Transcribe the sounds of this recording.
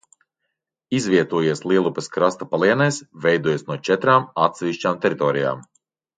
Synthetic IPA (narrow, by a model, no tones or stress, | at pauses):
izvʲiɛt̪uɔjiɛslˠiɛlˠupɛskɾast̪apalˠiɛnɛsvɛjd̪uɔjasnuɔt͡ʃɛt̪ɾaːmat̪sɛvʲiʃt͡ʃaːmt̪ɛɾit̪ɔːɾija̰ːm